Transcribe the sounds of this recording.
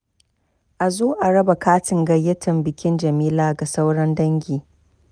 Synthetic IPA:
ʔa˨zuː˦ʔa˨ɽɐ˦ba˨kaː˦tɪ˨ŋɡɐ˦jːɐ˦tɐ˨mbɪ˨kʲɪ˦nd͡ʒɐ˨miː˦laː˦ɡa˨sa˦wɽɐ˦ndɐ˦ŋɡʲiː˨

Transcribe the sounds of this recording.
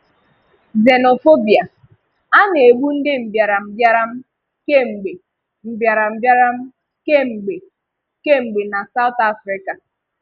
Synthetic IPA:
ze˨no˨fo˦bi˨a˨ | a˦ne˨ɡ͡bu˦n̩˦dɪ˦m̩˨bja˨ɾa˨m̩˨bja˦ɾa˦m̩˦ | ke˦ŋ͡m̩˨ɡ͡be˨ | m̩˨bja˨ɾa˨m̩˨bja˦ɾa˦m̩˦ | ke˦ŋ͡m̩˨ɡ͡be˨ | ke˦ŋ͡m̩˨ɡ͡be˨na˨sa˦ʊ˦ta˦fɾɪ˦ka˨

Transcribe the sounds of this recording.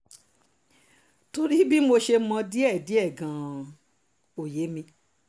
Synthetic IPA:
to˧ɾi˦bi˦mo˧ʃe˧mɔ̃˧di˦ɛ˦˨di˨˦ɛ˦˨ɡã˨ | o˨je˨˦mĩ˧

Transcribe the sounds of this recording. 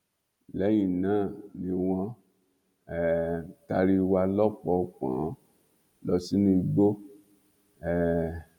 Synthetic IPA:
lɛ˨˦j̃ĩ˦˨nãː˦˨nĩ˧w̃ɔ̃˧ | ɛ˨ta˧ɾi˧wa˧lɔ˦k͡pɔ˧k͡pã̰˨˦ | lɔ˧si˦nĩ˧i˧ɡ͡bo˦ | ɛ˨

